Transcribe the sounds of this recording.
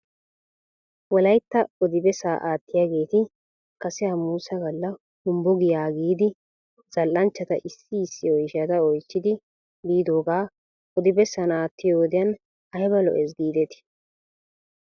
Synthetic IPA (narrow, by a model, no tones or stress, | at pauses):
wɔlɐjt̪ːɐɔd̪ɪbɛsaːʔaːt̪ːɪjaːɡe̞ːt̪ɪ | kɐsɛhɐmuːsɐɡɐlːɐ | hʊmbɔɡɪjaːɡiːd̪ɪ | z̥ɐlʔɐnt͡ʃːɐt̪ɐ̰ʔɪsːɪɪsːɪɔjʃat̪ɐɔjt͡ʃːɪd̪ɪ | biːd̪o̞ːɡaː | ɔd̪ɪbɛsɐnaːt̪ːɪjoːd̪ɪjɐn | ɐjbɐlɔ̰ʔɛsɡiːd̪ɛt̪ɪ̥